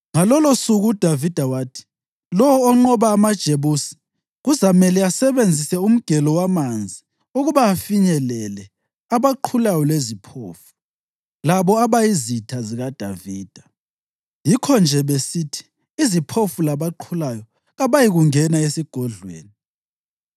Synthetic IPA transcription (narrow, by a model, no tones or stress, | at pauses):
ŋalɔlosuɣud̥ʱavid̥ʱawaːtʰi̥ | lɔwɔːŋ͡ǃɔβaːmad̥ʒ̥ʱeβusi̥ | ɣuzamɛlɛasɛβend͡zʱisɛum̩ɡ̥ʱɛlɔwamand͡zʱi | uɣuβaːfiɲɛlɛlɛ | aβaǃʰulajɔlezipʰo̰ːfu̥ | laβɔaβajizitʰaziɣad̥ʱaviːd̥ʱa | jikʰɔnd͡ʒʱɛβesiːtʰi̥ː | zipʰofulaβaǃʰulajɔ | ɣaβajiɣuŋɛnaesiɡ̥ʱɔɮwḛːni